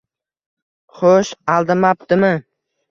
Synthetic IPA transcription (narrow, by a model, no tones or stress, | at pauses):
χoʃalˠd̪ɪmap̚d̪ɪmɪ